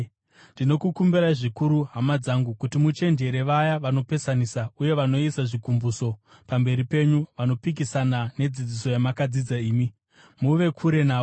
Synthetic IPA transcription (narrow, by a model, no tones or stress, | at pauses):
ndino̞kukumbiɾaiʐikuɾuɦamad͡zaŋɡukutimut͡ʃe̞nd͡ʒe̞ɾe̞ʋajaʋano̞pe̞sanisauje̞ʋano̞isaʐikumbuso̞ | pambe̞ɾipe̞ɲuʋano̞pik̬isanane̞d͡zid͡ziso̞jamakad͡zid͡zaiːmi | muʋe̞kʰuɾe̞naːo